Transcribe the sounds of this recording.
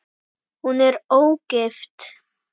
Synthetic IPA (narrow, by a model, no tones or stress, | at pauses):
hunɛɾowɡ̥ɪft̪